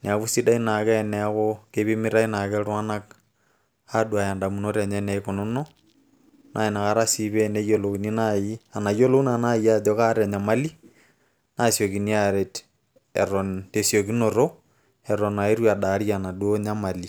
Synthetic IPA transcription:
ni˨a˨βu˦si˦ɗa˦ina˨kɛ˦nɛ˦kokeβi˦miɾa˦i˦nakɛɾwa˦na˦k | aɗwa˨ja˨nda˨mu˨no˦ɾa˨ɲɛnɛko˨no˦no | nʔa˨ina˨ka˦ɾa˦siβe˦ne˦jolokini˦naia˨na˨jo˦lo˦u˦nana˦ia˦d͡ʒoka˦ɾa˨ɲa˨ma˦li˦ | na˦sjo˨kini˦aɾet | ɛ̰ɾo˨ntesjokinoɾo | ɛɾo˨na˨e˦ɾwia˨ɗa˨ɾia˨na˨ɗwo˦ɲa˦ma˨li

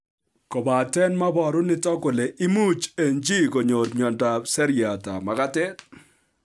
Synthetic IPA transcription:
ko˨ba˨tɛ˦nma˦bɔ˨ɾʊ˦nɪ˦tɔ˦kʊ˨le˨ʔɪ˦mu˦t͡ʃe˨nd͡ʒi˦ko˨ɲo˨ɾɲɔ˨nda˨sɛ˦ɾja˨ta̰˨ma˨ka˦tɛ˦t

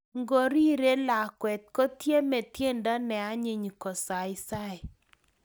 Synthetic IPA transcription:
ŋɡo˨ɾi˦ɾe˦la˨kwɛ˨t̪̚kɔ˦tje˦mɛ˨t̪je˦nda˦nɛ˨a˦ɲɪ˨ɲ˨kɔ˨sa˨ɪ˦sa˦ɛ˨

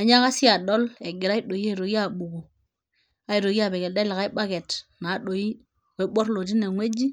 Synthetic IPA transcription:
a˨ɲa˦ka˦si˦a˨ɗo˦le˨ɡi˨ɾa˦i˦ɗo˨ji˦e˦˨ɾo˨ɡi˦a˨ɓu˨ɡo˨ | a˦i˨ɾo˨ɡi˦a˨be˨ɡe˨lde˦la˨ka˦i˦ɓa˦ɡe˨tna˨˦ɗo˨i˦ | we˨˦ɓo˦ɾlo˨t̬i˦ne˨ŋʷwe˦d͡ʒi˦

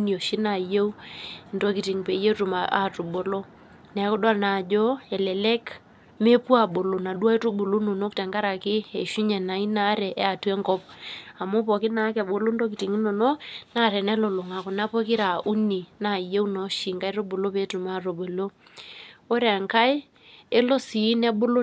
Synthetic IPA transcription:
ni˨o˨ʃi˦na˨je˦wu˦ndo˦ki˨ti˨ŋpe˨˦e˦tu˨ma˨ʔa˨tu˨ɓo˨lo˦ | nɛ˨˦kʊ˦dwa˦lna˨d͡ʒɔ˦ɛ˨lɛ˨lɛ˦k | me˦pu˦a˨ɓo˨lo˨na˨ɗu˦a˦to˦ɓo˨lo˦no˨no˦k̚tɛ˨ŋɡa˦ɾa˨kɪ˦e˨ʃu˦ɲɛ˨na˨i˦na˦ɾɛ˨ʔɛ˦a˨te˦ŋkɔ˦p̚a˨mo˦pɔ˨kɪ˦na˨˦kɛ˨ɓo˨lo˦ndo˦k̬i˨ti˨ŋi˦no˨no˦na˦˨ɾɛ˨nɛ˦lo˨lo˨ŋa˨kɔ˨na˦po˦ki˦ɾa˨ʔu˦ni˨na˨je˦u˦nɔ˨˦ʃi˨ŋka˦jɾo˦bo˨lo˦pe˦tu˨ma˦˨to˨bo˨lo˦ | o˦ɾa˨ŋka˦j | e˦lo˦si˨˦nɛ˦ɓo˦lo˦

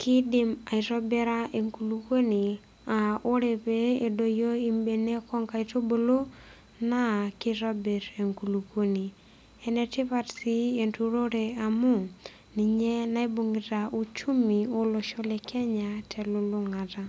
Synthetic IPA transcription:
kʰɪ˦dɪ˨ma˨i˨tɔ˦bɛ˦ɾa˦ʔe˨ŋku˨lu˨ko˦ni˨ | a˨o˦ɾe˨pe˦e˨do˨jo˦i˦mbe˨ne˦kɔ˦ŋka˨i˨to˦bo˨lo˦ | na˦kɪ˦ɾɔ˦be˨ɾe˨ŋku˨lu˨ko˦ni˨ | ɛ˨nɛ˨tɪ˦pa˨tsi˦e˨ntu˦ɾo˦ɾe˨a˨mu˦˨ | ni˨ɲɛ˦na˦e˦bo˨ŋɪ˨ta˨ʔu˦t͡ʃu˦mi˨o˦lo˨ʃɔ˦lɛ˨kʰɛ˦ɲa˨tʰɛ˨lu˨lʊ˦ŋa˨ta˦

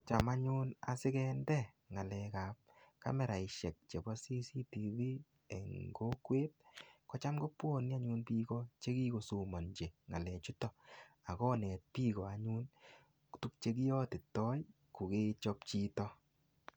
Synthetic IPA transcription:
t͡ʃa˨ma˦ɲu˦na̰˨sɪ˦kɛ˦ndɛ˦ | ŋa˨lɛ˨ka˨p̚ka̰˦mɛ˨ɾa˨i˨ʃɛ˨k̚t͡ʃe˨bɔ˦si˦si˦ti˨vi˦ | ḛ˨ŋɡo˦kweː˦t̚kɔ˦t͡ʃa˦mɡo˦pwo˦ni˦a˦ɲu˦npiː˦kɔ˦t͡ʃe˦ki˦ko˨su˨mɔ˨nd͡ʒe˨ŋa˨lɛ˨t͡ʃu˦tɔ˨a˨kɔ˦nɛ˨t̚piː˦kɔ˨a˨ɲu˦n | tu˦k̚t͡ʃe˦ki˦jɔ˦tɪ˨tɔ˦j | ku˨ke˦t͡ʃɔ˦pt͡ʃi˦tɔ˦

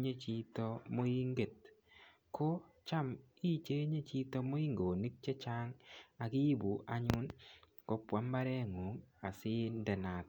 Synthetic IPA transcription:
ɲe˦t͡ʃi˦to˦mo˦i˦ŋɡe˨t̚ | kʰo˦ | t͡ʃa˦m | i˦t͡ʃe˦ɲe˦t͡ʃi˦to˦mo˦i˦ŋɡo˨ni˦k̚t͡ʃe˦t͡ʃa˦ŋa˨ki˦bu˨ʔa˨ɲʊ˦n | ko˦pwa˨˦mba˦ɾɛ˦ŋo˨˦ŋa˨sɪ˦ndɛ˨na˨t

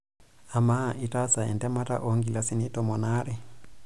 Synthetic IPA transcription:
a˨ma˦˨ʔi˦ta˦sa˨ɛ˨ndɛ˦ma˦ta̰˦ʔɔ˨ŋɡi˨la˨si˦ni˦tɔ˨mɔ˨na˦ɾɛ˦

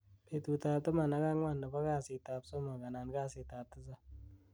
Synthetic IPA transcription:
pe˨tu˨ta˨tɨ˦ma˨na˨ka˦ŋwa˦˨nda˨ba˦ka˦˨sɪ˧ta˧pso˦ma˨ka˨na˨nka˦sɪ˧ta˨p̚tːɨ˦s̬a˦

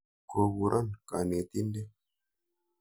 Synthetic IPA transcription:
ko˨bu˨ɾʔa˦nkʼa˨ne˨t̪i˦nde˦

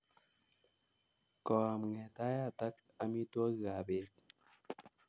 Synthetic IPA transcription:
kɔ˨a˨mŋɛ˨ta˦ja˨t̪a˦k̚a˦mi˦twɔ˦kɣa˨be˨t̚

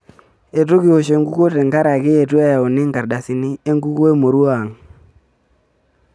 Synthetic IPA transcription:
e˨to˦ki˨o˨ʃe˨ŋɡu˦ko˦te˨ŋɡa˦ɾa˨kɪ˦e˨t̬u˦a˦ja˨ʊ˨nɪ˦ŋɡa˨rda˨si˦ni˦e˦ŋɡu˦ko˦e˦mo˨ɾu˦a˨ŋ

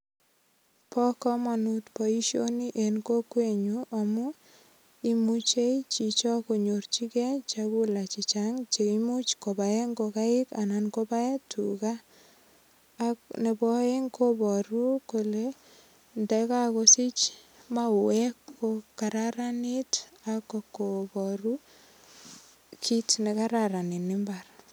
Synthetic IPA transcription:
pɔ˦kɔ˦ma˨nutpɔ˨i˦ʃjo˦ni˦ʔe˨nko˦kwe˦˨ɲu˦ʔa˨mu˦ | i˦mu˦t͡ʃe˦t͡ʃi˨t͡ʃɔ˦ko˨ɲo˨rt͡ʃi˦kɛ˦t͡ʃaku˦la˨t͡ʃɪ˨t͡ʃaŋt͡ʃe˨imu˦t͡ʃko˨ba˨e˦ŋɡo˧ka˦ɪ˦ka˨na˨nko˦ba˦e˦tʰu˨ka˦ | kne˨bɔ˦e˦ŋko˦bɔ˨ɾu˦ko˨le˦ | ndɛ˦ka˦ko˧si˦t͡ʃ | ma˦˨wɛ˦kːo˦ka˨ɾaɾa˦ni˦ta˦kːo˨ko˨bɔ˨ru˦ | kʰi˦tne˨ka˦ɾa˨ɾa˨ni˨nɪ˦mba˨r

